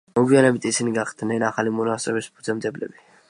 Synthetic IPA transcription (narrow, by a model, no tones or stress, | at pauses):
mɔɡwianɛbit̪ʰisiniɡaχd̪̥nɛnaχalimɔnast̪ʼɾɛbispʰud̪zɛmd̪ɛblɛ̰bi